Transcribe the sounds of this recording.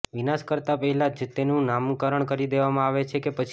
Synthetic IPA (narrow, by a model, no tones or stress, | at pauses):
ʋinaʃkəɾt̪apəɦɛlad͡ʒt̪enũnamukəɾəɳkəɾid̪eʋamãaʋet͡ʃʰekepət͡ʃʰ